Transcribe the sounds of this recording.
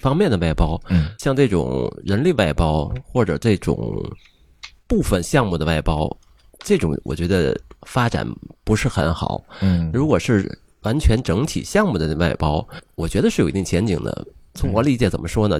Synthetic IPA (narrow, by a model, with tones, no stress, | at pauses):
fɑ˥ŋmjɛ˥˩nd̪ə˩wa˥˩ɪpɑ˥ʊɕjɑ˥˧ŋʈ͡ʂɤ˥˩ʈ͡ʂʊ̰˨˩ŋɻə˧˥nli˥˧wa˥˩ɪpɑ˥ʊxwɔ˥˩ʈ͡ʂɤ̰˨˩ʈ͡ʂɤ˥˩ʈ͡ʂʊ̰˨˩˦ŋ | pu˥˩fə˩nɕjɑ˥˧ŋmu˥˩d̪ə˩wa˥˩ɪpɑ˥ʊ | ʈ͡ʂɤ˥˩ʈ͡ʂʊ̰˨˧˥ŋwʔɔ̰˨˩t͡ɕɥɛ˧˥d̪ə˧fa˥ʈ͡ʂa̰˨˩npu˧˥ʂɻ̩˥˩xə˧˥nxɑ̰˨˩˦ʊɻu˧˥kwɔ˨˩ʂɻ̩˥˩ | wa˧˥nt͡ɕʰɥɛ˧˥nʈ͡ʂɤ˧˥ŋt̪ʰḭ˨˩ɕjɑ˥˧ŋmu˥˩d̪ə˩˥˧a˥˩ɪpɑ˥ʊwɔ˨˩t͡ɕɥɛ˧˥d̪ə˧ʂɻ̩˥˩jo˨˩i˧˥t̪i˥˩ŋt͡ɕʰjɛ˧˥nt͡ɕi˨˩ŋd̪ə̰˦t͡sʰʊ˧˥ŋxwɔ˧˥li˧˥˩t͡ɕjɛ˧˥˩t͡sə˨˩mə˦ʂwɔ˥nə˨˩